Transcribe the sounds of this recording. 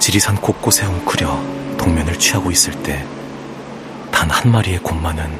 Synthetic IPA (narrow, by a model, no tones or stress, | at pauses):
t͡ɕiɾisʰank͈ok̚k͈osʰe̞oŋkʰɯɾjʌtoŋmjʌnɯɭt͡ɕʰɥiɦaɡois͈ɯɭt͈e̞ | tanhanmaɾie̞komːanɯn